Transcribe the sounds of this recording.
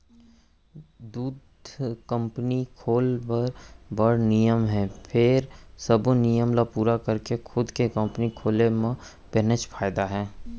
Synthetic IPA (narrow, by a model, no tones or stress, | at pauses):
d̪uːd̪ | kə̃mpnikʰoːlpəɾbəɽnijəmɦɛ̃ːpʰɪɾsəbnijəmlapuːɾakəɾkexʰʊd̪kekə̃mpnikʰoːlemã | pɛnət͡ʃpʰaːjɪd̪aɦɛː